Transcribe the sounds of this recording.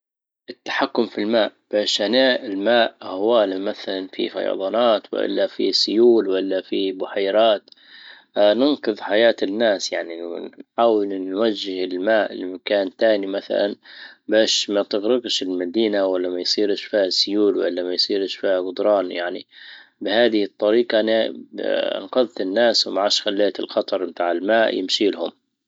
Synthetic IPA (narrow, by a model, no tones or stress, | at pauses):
ʔɪt̪ːḁħakːʊmfilmaːʔb̥eːʃʔanaːʔɪlmaːʔhaawaːlamaθalanfḭfɑ̰jɑ̰ðˤɑːnaːt̪wɪ̰ʔɪ̰lːafisʊjuːlwɪlːafibʊħajɾaːt̪ː | nɪnqɨðˤħajaːt̪ɪnːaːsjaʕninħaːwɪlnwad͡ʒːɪhɪlmaːʔɪlːimakaːnt̪aːnimaθa̰lanbaːʃmat̪ɪɣɾɪɡʃɪlmad̪iːnawalːamajsˤiːɾɪʃfiːhasːʊjuːlwa̰lːamajsˤiːɾʃfiːhaɡʊd̪ɾˤɑːnjaʕnḭbɪhaːðɪhɨt̪ˤːɑɾiːqɑna̰ | nqɑðˤːɪnːaːswmaʕaʃxalːeːt̪ɪ̰lxɑt̪ˤɑɾˤmt̪aːʕɪlmaːʔjɪ̰mʃiːlhʊm